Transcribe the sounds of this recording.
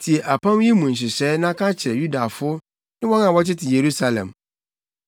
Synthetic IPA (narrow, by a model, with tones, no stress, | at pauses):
tʰi˨e˨ʔa˨pʰã˦m˦ji˦mũ˨n̩˨ɕ̬ɪ˨sɛː˦nã˦a˦kʰa˦t͡ɕʰɪ˨ɾɛ˨ju˦da˨fʊ˦ | nɪ̃˦wɔ̃˦nã˨wɔ˦t͡ɕɪ˦tʰɪ˨je˨ɾu˦sa˨lɛ̰̃˨m